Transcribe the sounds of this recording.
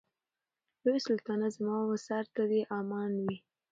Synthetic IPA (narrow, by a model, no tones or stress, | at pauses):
lojsʊlt̪ɑnazmɑwasaɾt̪ad̪eʔɑmɑnwi